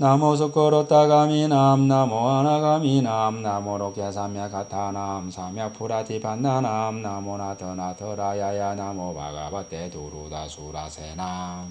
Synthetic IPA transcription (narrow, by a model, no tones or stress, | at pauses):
namos̬ɯkoɾot̪aɡaminamnamoanaɡaminamnamoɾokesʰamjakat̪ʰanamsʰamjak̚pʰuɾat̪ʰipʰanːanamnamonat̪ʰɯnat̪ʰɯɾajajanamopa̰ɡa̰bat̪et̪uɾud̪a̰sʰuɾa̰senam